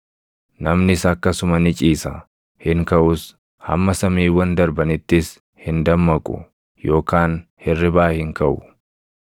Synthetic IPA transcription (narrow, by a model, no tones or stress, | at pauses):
nɐmnɪsɐkːɐsʊmɐnɪt͡ʃʼiːsɐ | hɪŋkɐʔʊs | hɐ̰mːɐsɐmiːwɐnd̪ɐɾbɐnɪt̪ːɪs | hɪnd̪ɐmːɐkʼʊ̰ | jo̞ːkaːnhɛrːɪbaːhɪŋkɐʔʊ